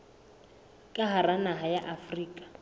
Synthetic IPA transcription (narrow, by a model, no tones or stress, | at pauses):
kʼaɦaranaɦajaʔafriːkʼḁ